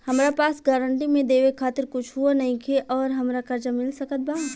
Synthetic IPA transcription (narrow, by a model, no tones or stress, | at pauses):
hɐmɾapaːsɡaːɾəɳʈimẽd̪eːʋekʰaːt̪ɪɾkʊt͡ʃʰɦuanɐɦĩkʰeʔɔːɾɦɐmɾakɐɾd͡ʒamɪlsəkət̪̚baː